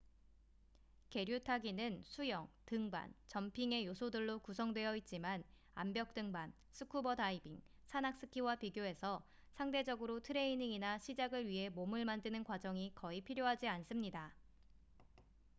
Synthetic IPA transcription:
ke̞ɾjutʰaɡinɯnsʰujʌŋtɯŋba̰nt͡ɕʌmpʰiŋe̞josʰodɯɭːokus̬ʰʌŋdwe̞jʌit̚t͡ɕ͈iman | a̰mbjʌk̚t͈ɯŋban | sʰɯkʰubʌdaibiŋ | sʰanak̚s͈ɯkʰiwapiɡjoe̞sʰʌ | sʰaŋde̞d͡ʑʌɡɯɾotʰɯɾe̞iniŋinaɕʰid͡ʑaɡɯɭɥiɦe̞momɯɭmandɯnɯnkwad͡ʑʌŋikʌipʰiɾjoɦad͡ʑians͈ɯmɲida

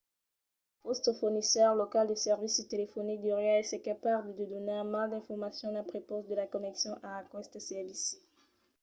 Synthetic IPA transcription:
fɔst̪fuʁnisœʁlɔkald̪əsɛʁvist̪elefɔnik̚d̪yʁjaɛsɛkapabləd̪əd̪ɔneamãld̪ɛ̃fɔʁmasjɔ̃lãpχepɔsd̪əlakɔnɛksjɔ̃ʔaːkwɛst̪sɛvis

